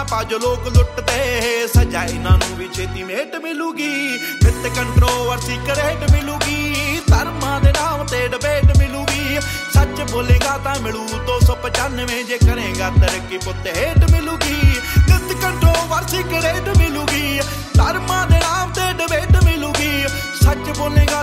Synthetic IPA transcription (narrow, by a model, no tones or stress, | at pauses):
paːd͡ʒoloːklʊʈt̪eːɦsəd͡ʒaːinãːnũːʋit͡ʃʰeːt̪iːmeːʈmɪluːɡiː | mɪt̪kəɳʈɾoːlʋəɾsikɾeːɖmɪlũːɡiːt̪əɾmãːd̪eːnãːmt̪eːɖəbeːɖmɪlũːɡiː | sət͡ʃboːlẽːɡaːt̪ãːmɪɽuːd̪oːsɔːpət͡ʃənʋẽːd͡ʒeːkəɾẽːɡaːt̪əɾəkːiːpʊt̪ɦeːʈmɪluːɡiːnɪt̪kəɳʈɾoːlʋəɾsiːkɾeːʈmɪlũːɡiː | t̪əɾmãːd̪eːnaːmt̪eːɖəbeːʈmɪlũːɡiː | sət͡ʃboːleːɡaː